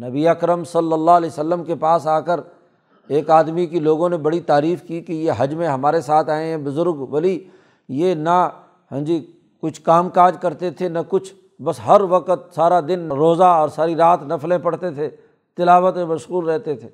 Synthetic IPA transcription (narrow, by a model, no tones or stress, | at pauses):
nɐbiɐkɾəmsɐlːəlːalɛːsəlːəmkepaːsaːkəɾ | eːkaːd̪mikiloːɡõnebɐɽit̪aːɾiːfkikejeɦɐd͡ʒmẽɦɐmaːɾesaːt̪ʰaːẽɦɛ̃bʊzʊɾɡʋɐli | jenɐ | ɦə̃ːd͡ʒi | kʊt͡ʃʰkaːmkaːd͡ʒkɐɾt̪et̪ʰenɐkʊt͡ʃʰ | bɐsɦɐɾʋɐqət̪̚saːɾad̪ɪnːɾoːzaɔːɾsaːɾiɾaːt̪nɐflẽpɐɽt̪et̪ʰe | t̪ɪlaːʋət̪mẽmɐʃɣuːlɾɛɦt̪et̪ʰeː